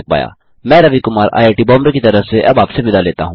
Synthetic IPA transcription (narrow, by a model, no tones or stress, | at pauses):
k̚pa̰ːja̰ː | mɛ̃ːɾɐʋikʊmaːɾʔa̰ːjaːʈibɔːmɾekit̪ɐɾəfseʔɐbaːpseʋɪd̪aleːt̪aɦũː